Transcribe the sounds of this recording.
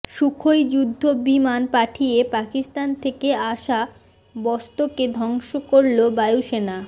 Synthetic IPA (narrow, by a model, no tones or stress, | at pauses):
ʃukʰojd͡ʑud̪ʱːobimanpaʈʰijepakist̪ant̪ʰekeaʃa | bɔst̪oked̪ʱɔŋʃokoɾlobajuʃena